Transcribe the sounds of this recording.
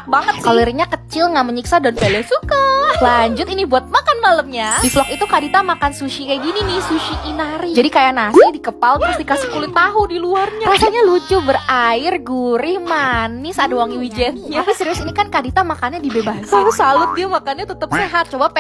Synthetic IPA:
k̚baŋət̪̚kalirɲakət͡ʃɪlŋaʔməɲiksadanpelɛsukalaɲd͡ʒʊt̪inibuat̪̚makanmaləmɲadiflɔkit̪ukadit̪amakansuʃikajɡininɪhsuʃiʔːnaɾid͡ʒadikajanasidikəpalt̪ɾast̪ikasikulɪt̪aɦʊndiluarɲarasaɲalud͡ʒʊbəraɪrɡuɾɪhmanɪsadawaŋiwid͡ʒɛnɲaapisəɾiʊsinikankadit̪amakanɲadibebasanit̪usalʊt̪̚diamakanɲat̪ət̪əp̚seɦat̪̚t͡ʃobap

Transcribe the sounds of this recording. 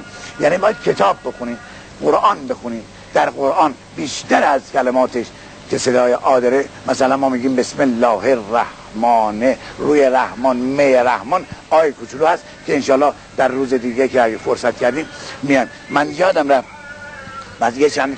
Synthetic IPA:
jæːniːbɒːjæd̪̚kʰet̪ʰɒːbːexoniːd̪ | ɢoɾʔɑːnbexuniːd̪ | d̪̥æɾɣoɾʔɒːn | biːʃt̪ʰæɾæzcʰælemɒːt̪ʰeʃ | kʰe̞se̞d̪ɒːjeʔɒːd̪eɾemæsælænmɒːmiːɡiːmbesmelːɒːheræh | mɒːneruːjeɾæhmɒːnmejeɾæhmɒːnɒːjekʰut͡ʃʰuluːhæst̪ | kʰeenʃɒːlːɒːh | d̪̥æɾːuːzed̪iːɡekʰeæɡæfoɾsæt̪cʰæɾd̪iːmmijɑn | mænjɒːd̪æmɾæ | bæzijet͡ʃʰænd̪

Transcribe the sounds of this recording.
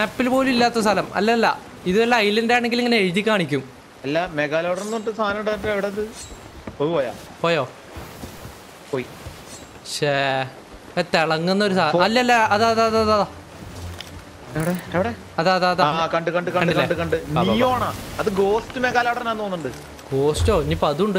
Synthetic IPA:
mapːilpo̞ːlumilːaːt̪ːɐst̪ʰɐlɐmɐ̰lːɐlːɐ̰ | iðɨɐlːɐɐjlɐndejaːɳeŋɡileŋːɡileɻit͡ɕːikʲːaːɳikʲːum | ɐlːɐmeɣaːloːɽɐrnːoːɳʈːɨsaːnɐmɳɖaðʈːɐeʋiɽeɐðɨpoːpoːja̰ː | poːjoː | poːi | ɕe | t̪eɭɐŋːunːɐoɾusaːɐlːɐɐlːɐɐðɐðɐððða | eʋiɽeeʋiɽe | ɐðaɐðɐðakɐɳɖɨkɐɳɖɨkɐɳɖiklɐeɳɖɨkɐɳɖɨniɐːjoaːɳaːɐðɨɡo̞ːstɨmeɣaːlaːɽɐrnaːnːoːnːuɳɖɨ | ɡ̥o̞ːsto̞ːiniːpːoɐðuuɳɖɨ

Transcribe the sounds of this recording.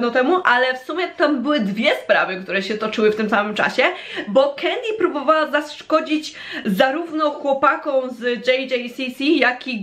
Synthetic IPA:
nɔt̪ɛmuʔalɛfsumʲɛt̪ambɘwɘd̪vʲjɛspɾa̰vɘkt̪uɾɛɕɛt̪ɔt͡ʂɘwɘft̪ɘmsamɘmt͡ʂa̰ɕɛ | bɔkʰɛnd̪ʲipɾubɔvawazaskɔd͡ʑid͡ʑ | zaɾuvnɔxwɔpakɔ̃w̃zd͡ʐɛjd͡ʒɛjsʲisʲijakʲi

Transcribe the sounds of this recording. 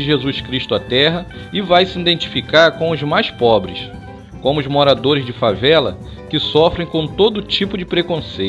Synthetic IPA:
ɪʒezuskɾiʃt̪ʊat̪ɛɦɐ | ɪvajsɪĩd̪ẽnt͡ʃi̥fikaɾkõw̃ʊzmajspɔbɾɪ̰s | kõmʊzmoɾad̪oɾɪzd͡ʒɪfavɛlɐ̰ | kɪsɔfɾẽj̃kõt̪od̪ʊt͡ʃipʊd͡ʒɪpɾekõsej

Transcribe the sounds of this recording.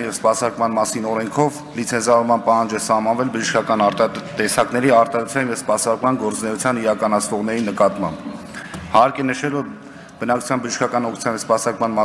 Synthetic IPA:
njɛvspɑsɑɾkmɑnmɑsinɔɾɛŋkʰɔv | lit͡sʰɛnzɑvɔɾmɑnpɑhɑnd͡ʒɛsɑhmɑnvɛlbəʒəʃkʰɑkɑnɑɾt̪ɑt̪ɛsɑknɛɾiɑɾt̪ɑɾut͡sʰjɑnjɛvspɑsɑɾkmɑnɡɔɾt͡snɛut͡sʰjɑniɾɑkɑnɑt͡sʰnɔʁn̪ɛɾinəkɑt̪mɑ̰mb | hɑɾkɛnəʃɛlvɔɾ | b̥ənɑk̚t͡ʃʰu̥t͡sʰjɑnbəʒəʃkʰɑkɑnɔkʰu̥t͡sʰɑnjɛspɑsɑɾkmɑnmɑ

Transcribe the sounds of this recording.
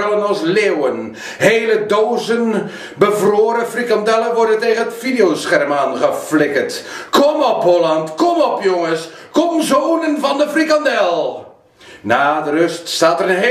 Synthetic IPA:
ələnɑlˠslewən | ɦejlədoːzən | bəvroːɾəfrikɑndɛləʋɔrdənteːɣənətfidɪjowsχɛrmaːnχəflɪkətkɔmɔpɦɔlɑntkɔmɔpjoŋəs | kɔmzoːnənvɑndəfrikɑndɛlˠ | naːdərøststaːtərənɦe

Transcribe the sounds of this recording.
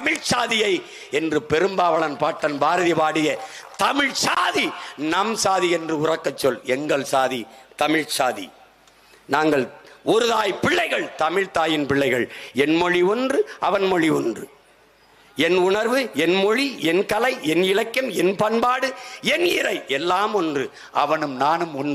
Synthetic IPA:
t̪ɐmɪɻt͡ʃaːðɪjɐɪ | ɛndrɯpɛɾɯmbaːʋɐɭɐnpaːʈːɐnbaːɾɐðɪpaːɽɪjɐt̪ɐmɪɻt͡ʃaːðinɐmsaːðiɛndrɯʊrɐkːɐt͡ʃːɔlɛŋɡɐɭsaːðit̪ɐmɪɻt͡ʃaːðḭ | naːŋɡɐɭɔɾɯðaːjpɪɭːɐɪɣɐɭt̪ɐmɪɻt̪aːjɪnpɪɭːɐɪɣɐɭɛnmɔɻiɔndrɯɐʋɐnmɔɻiɔndrɯ | ɛnʊɳɐɾʋɯɛnmɔɻiɛnkɐlɐɪɛnɪlɐkːɐmɛnpɐnbaːɽɯɛnɪrɐɪʔɛlːaːmɔndrɯ | ʔɐ̰ʋɐnɯmnaːnɯmɔn

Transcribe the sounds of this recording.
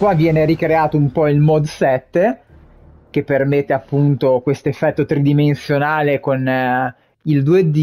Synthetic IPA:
kwavjɛːneɾikɾeaːt̪oumpɔilmɔd̪sɛt̪ːe | k̟epːermet̪ːeapːunt̪okwest̪oefːɛt̪ːot̪ɾid̪imensjonaːlekon | ild̪ued̪i

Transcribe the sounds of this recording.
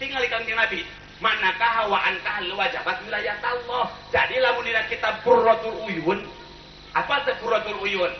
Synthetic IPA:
t̪iŋalikaŋdinabi | manakaɦawaʔankahluwad͡ʒa̰bat̪̚wilajat̪alːɔhd͡ʒadilamundinankit̪aburɔt̪uɾujʊn | ʔapasəbuɾɔt̪uɾujʊn

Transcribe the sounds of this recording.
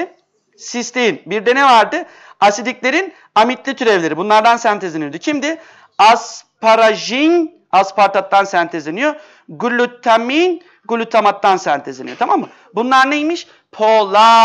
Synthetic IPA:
sist̪ʰenbiɾd̪e̞nɛvaɾd̪ɯ | asid̪iclʲe̞ɾin | amit̪lʲit̪ʰyɾɛvlʲe̞ɾibunlˠaɾd̪ansænt̪ʰezenijod̪ucʰimd̪ɪ | aspʰaɾaʒin | aspʰaɾt̪ʰat̪ːansænt̪ʰezenijo | ɡulʲːyt̪ʰːamin | ɡulʲːyt̪ʰamat̪ːansænt̪ʰezenijo̞t̪ʰamamːɯ | bunlˠaɾnejmiʃ | pʰoːlˠa

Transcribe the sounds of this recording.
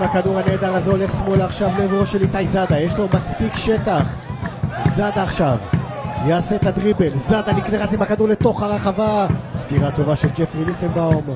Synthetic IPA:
makaduʁane̞ːd̪aʁazeo̞le̞χsmo̞laχʃavlevoʃelit̪ajzad̪ajeʃlo̞maspikʃe̞t̪aχ | zad̪aːχʃav | jaːse̞t̪ad̪ʁibe̞lzad̪anikneχasimakad̪uʁle̞t̪o̞χaʁaχavasɡiʁat̪o̞vaʃeld͡ʒefʁinisembaom

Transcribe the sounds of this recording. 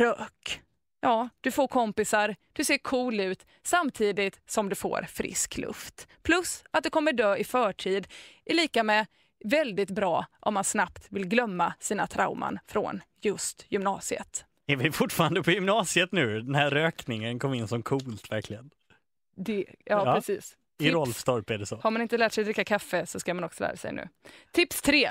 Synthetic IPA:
ɾøːk | jɑːd̪̥ɵfoːɾkʰɔmpɪsaɾd̪̥ɵseːɾkʰuːlʉ̟ːt̪ | samːt̪ʰiːd̪ɪt̪sɔmd̪ɵfo̰ːɾfɾɪ̰sklʔɵ̰ft̪pʰlɵsat̪̚d̪ɛkʰɔmːəɖøːɪfœːʈʰiːd̪ʔɪɭiːkamɛ | vɛld̪ɪt̪bɾɑːʔɔmːansnap̚t̪vɪlɡlœmːasiːna̰t̪ʰɾa̰ʊma̰nfɾɔ̰n | jɵst̪jʏmnɑːsɪə̰t̪ | æɾvɪfʊʈːfɑːɾand̪əpʰɔjʏmnɑːsɪət̪nʉ̟ːd̪ɛnhæɾøːknɪŋənkʰɔmːɪnːsɔmkʰuːlt̪væɾklɪɡən | d̪ɛjɑːpːɛsḭːs | ɪɾɔlfst̪ɔɾpæɖɛsɔhaɾmanɪnt̪əlæːʈsɛjd̪ɾɪkːakʰafːəsɔskamanɔksɔlæ̰ːɾa̰sɛ̰jnʉ̟̰ːt̪ʰɪpst̪ʰɾeː

